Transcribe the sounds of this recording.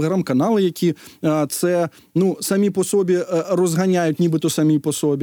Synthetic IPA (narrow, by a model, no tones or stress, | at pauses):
ɾamkanalˠɨjakʲit̪sɛ | nusɐmʲipɔsɔbʲirɔzɣanʲajʊtʲnʲibɨt̪ɔsɐmʲipɔsɔbʲ